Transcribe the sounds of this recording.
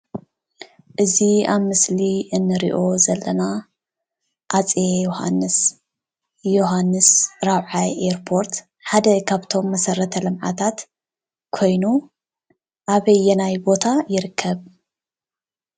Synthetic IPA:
ʔɨziaβmɨsliɨnːɨɾḭʔo̞zɐlːɐna | ʔat͡sʼejoha̰nːɨs | joɦanːɨsɾaβʕajeɾpʰo̞ɾt̪ | ħad̪ɐkʰaβt̪ʰo̞mːɐsɐrːɐt̪ʰɐlɨmʕa̰t̪ʰat̪ | kʰo̞jnu | ʔaβɐjːɛnajbo̞t̪ʰajɪɾɨkʰːɐβ

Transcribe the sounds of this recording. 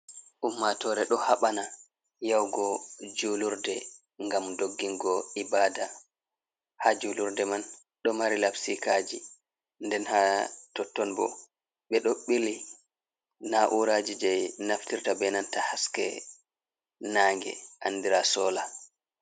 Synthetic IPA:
ʔumːatɔɾɛɗɔhaɓana | jawɡɔd͡ʒuluɾdɛ | ŋɡamdoɡːiŋɡɔibada | had͡ʒuluɾdɛman | ɗɔmaɾilabsikaːd͡ʒi | ndɛnhatɔtːɔnbɔ̰ | ɓɛɗoɓili | naʔuɾad͡ʒid͡ʒɛjnaftiɾtabɛnantahaskɛ̰ | naːŋɡɛ̰ʔanːdiɾasɔːla

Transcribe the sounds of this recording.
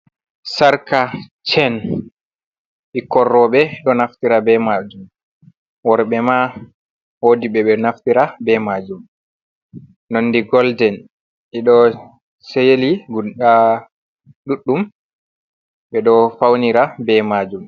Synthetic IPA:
saɾkat͡ʃɛn | ʔikɔrːɔɓɛɗɔnaftiɾabɛmad͡ʒum | wɔɾɓɛma | hodiɓɛɓɛnaftiɾabɛmad͡ʒum | nonːdiɡɔldɛn | ʔiɗɔ | sejeliɡuɗa | ɗuɗːum | ɓɛɗɔfawniɾabɛmad͡ʒum

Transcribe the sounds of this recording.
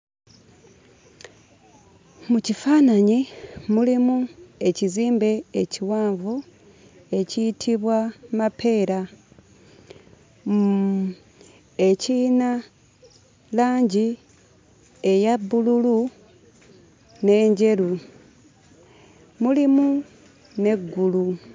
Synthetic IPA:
mucifaːnaɲimulimue̞ciziːmbe̞ːciwaːɱvu | e̞citʰiβwamapʰe̞ːɾa | e̞cina | laːɲɟi | e̞jabːululu | ne̞ːɲɟe̞ɾu | mulimu | ne̞ɡːulu

